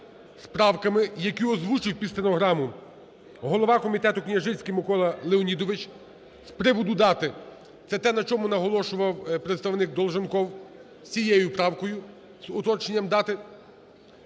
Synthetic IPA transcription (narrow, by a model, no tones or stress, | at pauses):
spɾɑwkɐmɪjɐkʲiɔzʋut͡ʃɪwʲpʲist̪enɔɦɾɑmʊ | ɦɔlˠɔʋɑkɔmʲit̪ɛt̪ʊknʲɐʒɪsʲkʲɪmɪkɔlˠɐlˠɪɔnʲid̪ɔʋɪt͡ʃ | spɾɪʋʊd̪ʊd̪ɑt̪ɪ | t̪sɛt̪ɛnɐt͡ʃɔmʊnɐɦɔlˠɔʃʊʋɐwpɾet̪st̪ɐʋnɪk̚d̪ɔlˠʒɪnkɔw | sʲijɛjʊpɾɑwkɔjʊ | z̥ɔt̪ɔt͡ʃenʲːɐmd̪ɑt̪ɪ